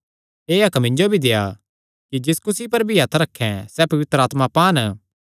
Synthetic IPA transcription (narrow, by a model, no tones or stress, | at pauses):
eːɐkmɪ̃nd͡ʒobʱid̪ea̰ | kid͡ʒɪskʊsipɐɾbʱiɦɐt̪ʰɾɐkʰːɛ̃sɛpɐʋɪt̪ɾaːt̪mapaːn